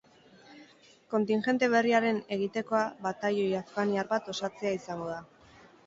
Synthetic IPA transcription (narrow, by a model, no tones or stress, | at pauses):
ko̞nt̪inʝe̞nt̪e̞β̞e̞riaɾe̞ne̞ɣ̞it̪e̞ko̞aβat̪ajojafkaniaɾbat̪o̞sat͡se̞aisaŋɡo̞ða